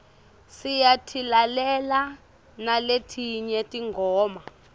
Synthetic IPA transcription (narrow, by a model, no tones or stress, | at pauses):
sijatʰilalɛla | naletʰiɲɛtʼiŋɡʱɔːma